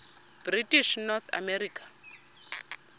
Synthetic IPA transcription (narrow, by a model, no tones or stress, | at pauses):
b̥ritʼiʃnɔt̪ʰa̰mɛɾiːkʰʼḁ